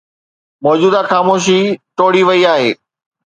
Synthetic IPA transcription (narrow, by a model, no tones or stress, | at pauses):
mɔːd͡ʑuːd̪axaːmoːʃ̬iʈoːɽiʋɐiaːɦeː